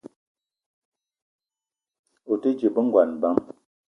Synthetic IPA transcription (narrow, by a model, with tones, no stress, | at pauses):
o˨tə˦d͡ʒə˨bə˦ŋ˦ɡwa˨nba˦m